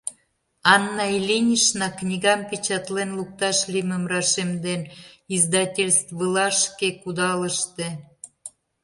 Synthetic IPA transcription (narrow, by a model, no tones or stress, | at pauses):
ɑnːɑilʲinʲiʃnɑknʲiɣɑmpʲit͡ɕɑt̪lenluk̚t̪ɑʃliməmrɑʃemd̪enizd̪ɑtʲelʲst̪vəlɑʃkekud̪ɑlə̆ʃt̪e